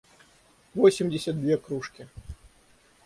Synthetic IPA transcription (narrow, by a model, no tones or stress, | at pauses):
vɔsʲimd͡zʲɪsʲɐd̪̚d̪ʲvʲeɛkɾuʂkʲi